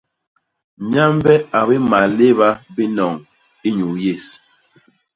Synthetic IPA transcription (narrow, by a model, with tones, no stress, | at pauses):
ɲa˦mbɛ˦a˨bi˦ma˨le˦βa˦bi˦nɔ˨ŋ | i˦ɲu˨je˦˨s